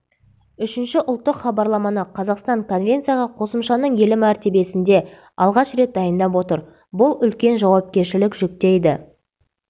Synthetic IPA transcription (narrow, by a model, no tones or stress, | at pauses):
ʏʃɪnʃɪʔʊlˠt̪ːəqχɑbɑɾlˠɑmɑnəqʰɑzɑqst̪ɑŋko̞nvʲe̞nt̪sɨjaʁɑqʰo̞səmʃɑnəɴje̞lɪmæɾt̪e̞be̞sɪnd̪e̞ | ɑlˠʁɑʃɾe̞t̪̚d̪ɑjənd̪ɑpwo̞t̪əɾ | bʊlˠʏlkʲe̞nʒɑwɑp̚kʲe̞ɾʃɪlɪkʒʏk̚t̪e̞jd̪ɪ